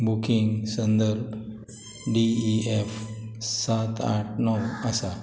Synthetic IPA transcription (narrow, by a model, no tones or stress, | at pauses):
bukiŋɡsənd̪əɾb | ɖiiefsat̪a̰ʈ̚ʰnɔwasa